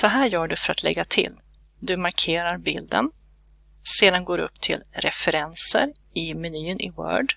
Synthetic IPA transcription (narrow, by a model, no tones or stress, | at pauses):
sɔɦæːjœːɖɵfœɾa̰t̪ʰlɛ̰ɡːat̪ʰɪ̰l | d̪ɵmaɾkʰeːɾaɾbɪld̪ə̰n | seːd̪anɡoːɾɵ̰pːt̪ʰɪ̰lɾɛfɛɾɛnsə̰ɾɪmɛnyːnʔɪwœ̰ːɖ